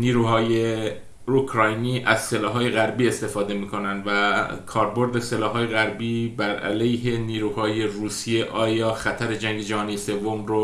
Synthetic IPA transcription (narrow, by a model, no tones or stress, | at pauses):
niːɾuːɦɒːje̞ | ukʰɾɒːjniːʔæz̥se̞lɒːɦɒːje̞ɣæɾbiːe̞st̪e̞fɒːd̪e̞miːkʰo̞nænd̪vækʰɒːɾbo̞ɾd̪e̞selɒːɦɒːje̞ɣæɾbiːbæɾæ̰lejɦe̞niːɾuːhɒːje̞ruːsije̞ʔɒːjɒːxæt̪ʰæɾe̞d͡ʒæŋɡe̞d͡ʒæɦɒːnijese̞vːomɾo